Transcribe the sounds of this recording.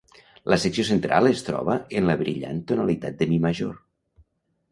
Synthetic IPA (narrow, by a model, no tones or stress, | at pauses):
ləsəksiosent̪ɾʔalˠəst̪ɾɔ̰βəənləβɾiʎa̰nt̪unalit̪at̪̚d̪əmiməʒor